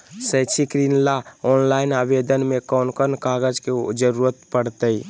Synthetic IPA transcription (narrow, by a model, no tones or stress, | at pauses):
sət͡ʃʰikɾinlaɔnlainabed̪ənmekɔnkənkaɡəd͡ʒked͡ʒəɾuɾət̪pəɽt̪əj